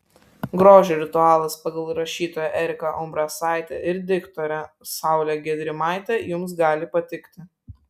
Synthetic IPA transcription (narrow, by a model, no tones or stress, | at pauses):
ɡɾoːʒʲeɾʲɪt̪ʊɑːlˠɐspɐɡɐlˠɾɐʃʲiːt̪oːjɛʔɛɾʲɪkɐʔʊmbɾɑsɑˑɪt̪ʲɛʔɪɾd̪ʲɪkt̪ɔːɾʲɛ | sɑˑʊlʲɛɡʲɛd̪ʲɾʲɪmɑˑɪt̪ʲɛjʊmsɡɑːlʲɪpɐt̪ʲɪkt̪ʲɪ